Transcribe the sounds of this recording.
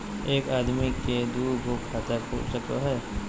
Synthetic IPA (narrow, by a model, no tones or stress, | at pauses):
eːkaːd̪miked̪uːbokʰaːt̪əɾpṵːɾsəko̰ɦɛː